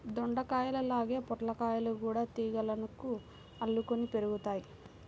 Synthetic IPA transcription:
d̪oɳɖɐkaːjɐlɐlaːɡe̞ːpɔʈlɐkaːjɐlukuːɽaːt̪iːɡɐlɐnuku | ɐlːukonipe̞ɾuɡut̪aːji

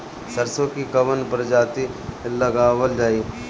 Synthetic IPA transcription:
səɾsõkikɐʋənpəɾd͡ʒaːt̪ilɐɡaːʋəld͡ʒaːiː

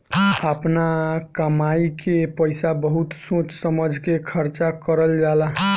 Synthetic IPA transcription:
əpnakəmaikepəjsabəɦut̪sõt͡ʃsəməd͡ʒʱkekʰəɾt͡ʃakəɾəld͡ʒalaɦ

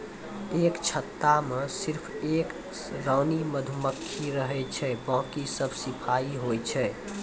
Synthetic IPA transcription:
ekt͡ʃʰət̪ːamesiɾpʰek | ɾəːniməd̪ʱuməkʰːiɾəɦɛt͡ʃʰɛbɔ̃ːkisəbʱsipʰaiɦojt͡ʃʰɛ

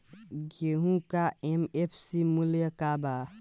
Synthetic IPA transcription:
ɡeɦũkaemepʰsimuljəkaba

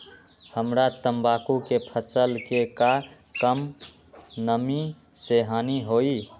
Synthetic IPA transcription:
həmɾat̪əmbakukepʰəsəlkeka | kəm | nəmi | seɦaniɦoi

